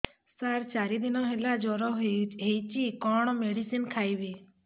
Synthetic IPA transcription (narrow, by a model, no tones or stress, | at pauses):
saɾt͡ʃaɾid̪inɔɦelad͡ʒɔɾɔɦeɦejt͡ʃikɔɳ̃meɽisinkʰajʋi